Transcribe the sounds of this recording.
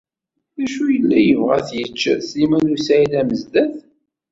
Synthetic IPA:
ðæʃujəlːæjəvʁæ̰θjət͡ʃːəsimænusæilæməzd̪æθ

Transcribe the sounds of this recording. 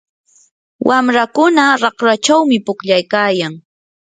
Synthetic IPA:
wʔamɾakʊnaɾɑχɾat͡ʃawmɪpʊkʎajkaːjaŋ

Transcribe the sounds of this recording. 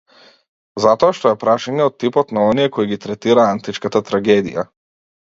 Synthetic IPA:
zat̪ɔaʃt̪ɔɛpɾaʃaɲɛɔt̪t̪ːipɔt̪naɔnijɛkɔiɡit̪ɾɛt̪iɾaant̪it͡ʃkat̪at̪ɾaɡɛd̪ḭja̰

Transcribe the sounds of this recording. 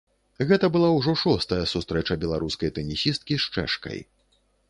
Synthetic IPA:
ɣɛt̪ɐbɨlˠawʐɔʂɔst̪ɐjɐsust̪ɾɛt͡ʂɐbʲɛlˠaɾuskɐjt̪ɛnʲisʲist̪̚kʲiʂt͡ʂɛ̰ʂkɐ̰j

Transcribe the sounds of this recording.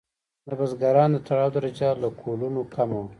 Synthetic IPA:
nabazɡaɾɑːnd̪ət̪aɽɑːwd̪aɾad͡ʒalakʰolunokʰama

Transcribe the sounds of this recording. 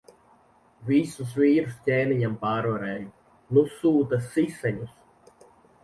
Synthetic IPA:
visus̬viːɾustʲɛːnijampaːɾoːɾɛju | nusuːt̪ɐsisɛɲus

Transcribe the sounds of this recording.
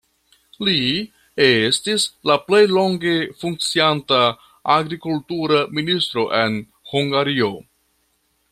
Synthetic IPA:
li | estislaple̞jlo̞ŋɡe̞fuŋk̚t͡sianta | aɡɾikultuɾaministɾo̞ʔe̞n | huŋɡaɾio̞

